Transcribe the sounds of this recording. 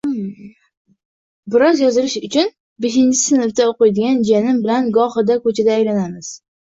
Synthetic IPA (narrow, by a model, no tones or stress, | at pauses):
bɪɾɒzjɒzɪlɪʃʊt͡ʃʰʊn | beʃ̬ɪnt͡ʃʰɪ̥sɪnɪft̪aoqɨjd̪ɪɡʲand͡ʒanɪmbɪlanɡɒχɨd̪akɵt͡ʃʰad̪aːjlanamɪz̥